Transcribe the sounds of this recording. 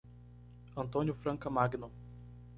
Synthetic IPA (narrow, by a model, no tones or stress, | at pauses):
ɐ̃nt̪õnʲjʊfɾɐ̃ŋkɐmaɡno